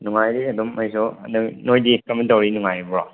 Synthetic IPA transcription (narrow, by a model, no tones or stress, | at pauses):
nuŋajɾiɐdɔmːajsɔnnojdikɐmentawɾinuŋajbɔɾɔ